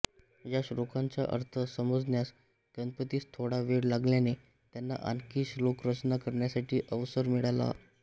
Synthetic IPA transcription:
jaɕɾokãɲt͡ɕja̰ʔə̰ɾt̪ʰəsəməd͡znjas | ɡ̥ənpət̪iːst̪ʰoɽaʋeɽlaɡljane | t̪janːa̰ʔa̰nkiːɕlokɾət͡ɕnakəɾɳjasaʈʰiːʔəʋsəɾmiɭala̰

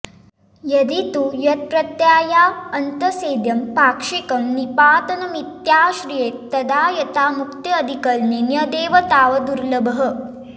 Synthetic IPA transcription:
jɐd̪it̪ujɐt̪̚pɾɐt̪jaːjaːɐnt̪ɐseːd̪jɐmpaːkʂikɐmnipaːt̪ɐnɐmit̪jaːʃɾijeːt̪ɐd̪aːjɐt̪aːmukt̪iɐd̪ʱikɐlnenjɐd̪eːʋɐt̪aːʋɐd̪uɾlɐbɐɦɐ̆

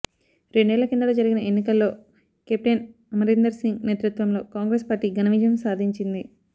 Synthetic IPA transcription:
ɾe̞ɳɖɛːlɐkind̪ɐloːd͡ʒɐɾiɡinɐenːikɐlːo̞ː | kep̚ʈɐn | ɐmɐɾind̪ɐɾsiŋɡneːt̪ɾut̪ʋɐmlo̞ːkaːŋɡɾeːspaːɾʈiːɡɐnɐʋid͡ʒjɐmsaːd̪ʱiɲt͡ʃind̪i

